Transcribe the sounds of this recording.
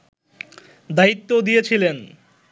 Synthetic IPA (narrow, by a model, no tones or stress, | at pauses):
d̪ait̪ːod̪ijet͡ɕʰilen